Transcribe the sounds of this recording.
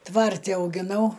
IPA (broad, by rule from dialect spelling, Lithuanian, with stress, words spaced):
ˈtʋɐrʲtʲɪ ɐʊɡʲɪˈnɐʊ